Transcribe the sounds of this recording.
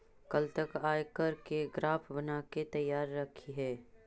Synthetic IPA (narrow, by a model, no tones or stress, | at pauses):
kɐlt̪ɐkaːjkɐɾkeɡɾaːpʰbɐnaːket̪ɐjːaːɾːɐkʰiɦɛː